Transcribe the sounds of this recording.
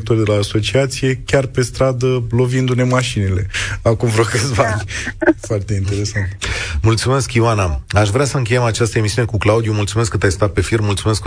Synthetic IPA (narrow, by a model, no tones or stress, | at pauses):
k̚t̪orʲd̪elaːso̞t͡ʃiat̪sije̞kʲarpe̞st̪ɾad̪əlo̞vind̪une̞maʃinile̞akumvɾokəsbanʲfoart̪e̞int̪e̞ɾe̞sant̪mult̪sume̞skiwanaaʃvɾeasəɨŋk̬ʲe̞jemat͡ʃast̪əe̞misiune̞kuklaud̪jumult̪sumeskːɨt̪ajst̪at̪̚pe̞firmult̪sume̞sk